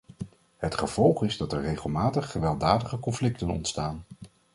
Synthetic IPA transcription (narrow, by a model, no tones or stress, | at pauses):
ɦətχəv̥ɔlˠχɪzdɑtɛɹrejχəlˠmaːtəχːəʋɛlˠdaːdəχəkɔnflɪk̚tənɔ̰ntstaːn